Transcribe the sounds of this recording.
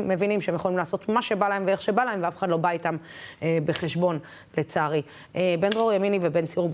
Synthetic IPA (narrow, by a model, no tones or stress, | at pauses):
mːe̞vinimʃeemjeχolimlaːso̞t̪maʃe̞balae̞mveeχʃe̞balae̞mveafeχad̪lo̞baitamebe̞χe̞ʃbo̞n | let͡saʁi | ebe̞ndʁoʁjaminivebe̞nt͡siuʁ